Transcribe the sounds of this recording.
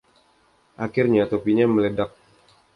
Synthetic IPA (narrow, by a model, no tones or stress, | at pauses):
ʔakɪrɲat̪opiɲamələdak̚